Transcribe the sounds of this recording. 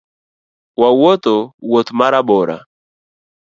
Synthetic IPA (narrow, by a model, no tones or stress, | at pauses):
wawɔt̪ɔwɔt̪maɾabɔɾa̰